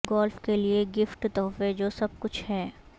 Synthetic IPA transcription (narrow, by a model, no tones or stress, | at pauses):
ɡɔːlfkelieɡɪfʈt̪ɔːfed͡ʒoːsɐb̚kʊt͡ʃʰɦɛː